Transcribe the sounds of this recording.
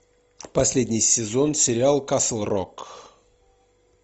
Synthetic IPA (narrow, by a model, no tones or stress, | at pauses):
pɐsʲlʲedʲnʲɪjsʲɪzonsʲɪɾʲɪalˠkaslˠro̰k